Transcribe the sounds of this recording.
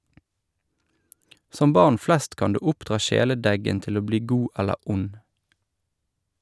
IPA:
ˈsɔm ˈbɑʁn ˈflɛst ˈkɑn ˈdʉː ˈʊpdʁɑː ˈʃeːləˌdɛɡən ˈtɪl ˈoː ˈbliː ˈɡuː ˈɛlə ˈʊn

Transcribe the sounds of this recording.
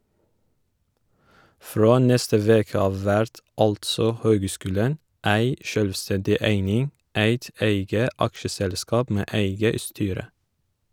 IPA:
ˈfɾoː ˈnɛstə ˈʋeːkə ˈɑʋ ˈʋæɾt ˈɑltsɔ ˈhøːɡˌskʉːlən ˈæɪ ˈʃœlʋˌstɛndɪ ˈæɪnɪŋ ˈæɪt ˈæɪɡə ˈɑkʃəˌsɛlˌskɑːp ˈmeː ˈæɪɡə ˈstyːɾə

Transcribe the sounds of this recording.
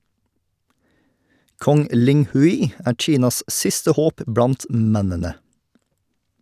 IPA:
ˈkɔŋ ˈlɪŋhʉɪ ˈæːɾ ˈc͡çiːnɑs ˈʔsɪstə ˈhoːp ˈbɽɑnt ˈmɛnənə

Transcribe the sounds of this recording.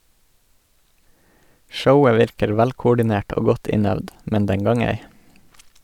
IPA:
ˈʃəʊə ˈʋɪɾkəɾ ˈʋælkʊɖɪˌneːʈ ˈoː ˈɡɔt ˈɪnœʋd ˈmɛn ˈdɛŋ ˈɡɑːŋ ˈeɪ

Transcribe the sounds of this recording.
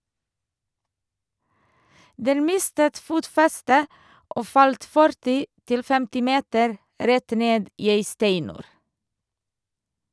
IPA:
ˈdɛn ˈmɪstət ˈfuːtfɛstə ˈʔoː ˈfɑlt ˈfœɾtɪ ˈtɪl ˈfɛmtɪ ˈmeːtəɾ ˈɾɛt ˈneːd ˈiː ˈeɪ ˈstæɪnʉːɾ

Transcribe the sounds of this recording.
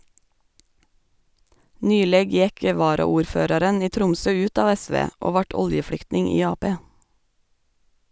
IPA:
ˈnyːleːɡ ˈjɛk ə ˌʋɑːɾɑuːɾˈføːɾɑɾən ˈiː ˈtɾʊmsœ ˈʉːt ˈɑːʋ ˈæˌsʋeː ˈoː ˈʋɑːʈ ˈɔljəˌfɽʏktnɪŋ ˈiː ˈɑːˌpeː

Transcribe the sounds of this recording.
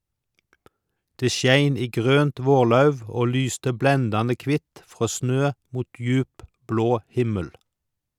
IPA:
ˈdeː ˈʃjæɪn ˈiː ˈɡʁøːnt ˈʋoːʁˌlɑʉʋ ˈoː ˈlyːstə ˈblɛndɑnə ˈkʋɪt ˈfʁoː ˈsnøː ˈmuːt ˈjʉːp ˈbloː ˈhɪməl

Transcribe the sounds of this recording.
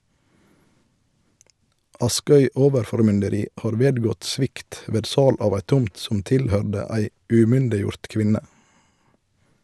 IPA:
ˈɑˌskœʏ ˈoːʋəɾfɔʁmʏndəˌɾiː ˈhɑːʁ ˈʋeːdˌɡɔt ˈsʋɪkt ˈʋeːd ˈsɑːl ˈɑːʋ ˈæɪ ˈtʊmt ˈsɔm ˈtɪlˌhœɖə ˈæɪ ʉˈmʏndɪˌjʊɾt ˈkʋɪnə

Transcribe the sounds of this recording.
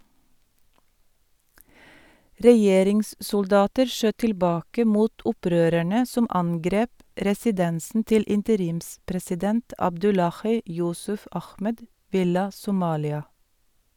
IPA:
ɾɛˈjeːɾɪŋssʊlˌdɑːtəɾ ˈʃøː tɪlˈbɑːkə ˈmuːt ˈʊˌpɾøːɾæɳə ˈsʊm ˈɑŋɡɾeːp ɾɛsɪˈdɛnsn̩ ˈtɪl ɪntəˈɾiːmspɾɛsɪˌdɛnt ɑbˈdʉlɑxiː ˈjʊsʉf ˈɑxmɛd ˈʋɪlɑ sʊˈmɑːlɪɑ

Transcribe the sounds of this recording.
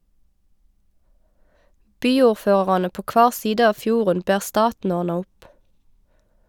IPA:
ˈbyːuːʁˌføːʁ̩ɑnə ˈpoː ˈkʋɑːʁ ˈsiːdə ˈɑːʋ ˈfjuːʁən ˈbæːʁ ˈstɑːtn̩ ˈɔʁnɑ ˈʊp

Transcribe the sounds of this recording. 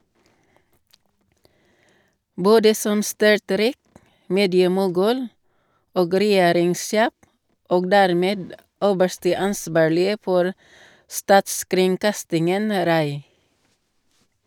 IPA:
ˈboːdə ˈsɔm ˈstʏɹˌtɾiːk ˈmeːdɪəmʊˌɡʉːl ˈoːɡ ɾɛˈjeːɾɪŋˌseː ˈoːɡ ˈdæɾˌmeːd ˈøːbəʃtə ˈɑnˌsbɑːɭɪə ˈfɔɾ ˈstɑːtskɾɪŋˌkɑstɪŋən ˈɾɑɪ

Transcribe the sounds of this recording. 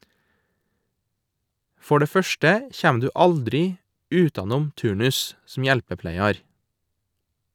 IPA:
ˈfɔ ˈɖeː ˈfœʃʈə ˈçæːm ˈdʉː ˈɑldɾɪ ˈʉːtɑˌnuːm ˈtʉːɳʉs sm̩ ˈjɛlpəˌplæɪɑɾ

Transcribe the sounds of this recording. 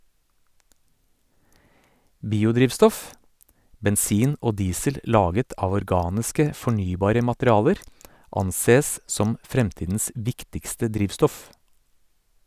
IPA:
ˈbiːʊˌdɾiːʋstɔf bɛnˈsiːn ˈoː ˈdiːsəl ˈlɑːɡət ˈɑːʋ ɔɾˈɡɑːnɪskə fɔˈɳyːˌbɑːɾə mɑtɾɪˈɑːləɾ ˈɑnˌseːs ˈsɔm ˈfɾɛmˌtiːdn̩s ˈʋɪktɪkstə ˈdɾiːʋstɔf

